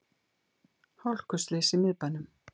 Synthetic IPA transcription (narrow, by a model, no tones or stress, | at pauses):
hɔl̥kʏst̪leːsimɪðpanʏm